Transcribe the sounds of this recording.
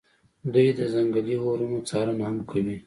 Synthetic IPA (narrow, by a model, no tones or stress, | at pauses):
d̪ujd̪əzaŋɡaliɣoɾunot͡sɑɾanhamkʰawi